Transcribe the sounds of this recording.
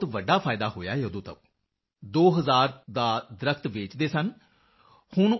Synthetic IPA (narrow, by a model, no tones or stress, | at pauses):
t̪ʋəɖːaːpʰaːɪd̪aːɦoːja̰ːjoːd̪oːt̪ə̰ʋ | d̪oːɦəzaːɾd̪aːd̪ɪɾəkʰt̪ʋeːt͡ʃd̪eːsən | hʊɳ